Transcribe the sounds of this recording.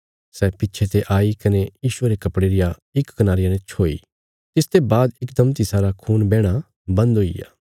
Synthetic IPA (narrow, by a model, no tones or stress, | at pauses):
sɛːpɪtːt͡ʃʰet̪eʔaːikɐnejiːʃʊeːɾekɐpɽeːɾɪja | ɪkːɐnaːɾɪjanɛ̃t͡ʃʰoːḭː | t̪ɪst̪ebaːd̪ɪkd̪ɐmt̪̬isaːɾakʰuːnbɛːɽ̃a | bɐ̃nd̪ɦʊḭja̰ː